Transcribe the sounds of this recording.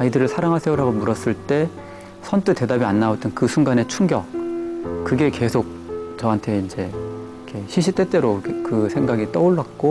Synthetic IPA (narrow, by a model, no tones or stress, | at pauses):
aidɯɾɯɭsʰaɾaŋɦasʰe̞oɾaɡomuɾʌs͈ɯɭt͈e̞ | sʰʌntʰɯte̞dabianːaot͈ɯnkɯsʰuŋɡane̞t͡ɕʰuŋɡjʌk̚ | kɯɡe̞ke̞sʰok̚t͡ɕʌɦantʰe̞ind͡ʑe̞ | kʰe̞ɕʰiɕ̬ʰit͈e̞t͈e̞ɾokɯsʰe̞ŋɡaɡit͈ʌoɭːak͈o